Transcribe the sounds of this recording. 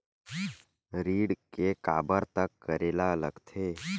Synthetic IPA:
ɾiːɽkeka̰ːbəɾt̪əkːəɾeːlaləɡt̪ʰeː

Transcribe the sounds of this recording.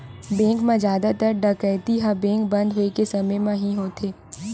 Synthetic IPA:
bẽːŋkmãzjaːd̪at̪əɾɖɐkɛɪt̪iɦãbẽːŋk̚bɐ̃nd̪ɦoekesɐməjmãɦĩɦoːt̪ʰeː

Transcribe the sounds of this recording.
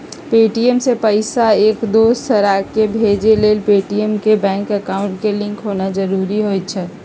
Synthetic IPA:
peʈiemsepəɪsaekd̪osəɾakebʱed͡ʒelelpeʈiemkebɛ̃ŋkəkaʊɳʈkelĩŋkɦonad͡ʒəɾuɾiɦojt̪t͡ʃʰɛ

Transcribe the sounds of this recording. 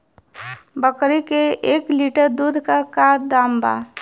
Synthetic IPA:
bəkɾikeeːkliʈəɾd̪uːd̪ʱkakaːd̪aːmba̰

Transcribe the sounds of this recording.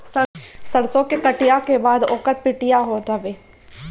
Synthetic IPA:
səsəɽsɔ̃ːkekəʈɪjaːkeːbaːd̪oːkəɾpɪʈɪjaːɦoːd͡ʒəʋeː

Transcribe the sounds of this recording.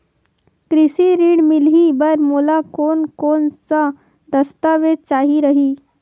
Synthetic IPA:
kɾɪsiɾiːɽmɪlɦibɐɾmoːlakoːnkoːnsa | d̪əst̪aːʋet͡ʃaːɦiɾəɦiː

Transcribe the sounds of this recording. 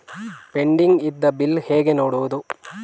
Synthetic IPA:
pe̞ɳɖiŋɡid̪ːɐbilheːɡe̞noːɽuʋud̪u

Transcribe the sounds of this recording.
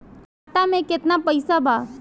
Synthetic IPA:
aʈamẽket̪napəjsabʱa

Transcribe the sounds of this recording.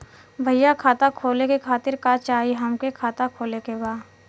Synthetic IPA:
bʱɐjjakʰaːt̪akʰoːlekekʰaːt̪ɪɾkat͡ʃaːɦiɦɐmkekʰaːt̪akʰoːlekebaː

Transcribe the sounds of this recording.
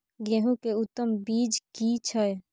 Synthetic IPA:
ɡɛɦũkeut̪ːəmbiːd͡ʒkit͡ʃʰəj

